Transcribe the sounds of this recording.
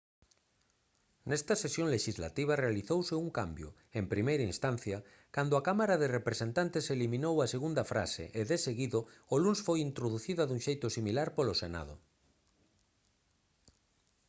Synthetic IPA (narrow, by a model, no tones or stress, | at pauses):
nɛst̪ɐsesjõŋleʃizla̰t̪iβ̞arealiθowseuŋkambjo̰ | empɾimejɾainst̪an̟θjɐ | kand̪oakamaɾaðerepɾesent̪ant̪eselimĩnowaseɣund̪ɐfɾa̰sḛʔeðeseɣiðoolunsfojint̪ɾoðuθiðaðuŋʃejt̪ʊsimilaɾpolosena̰ðo̰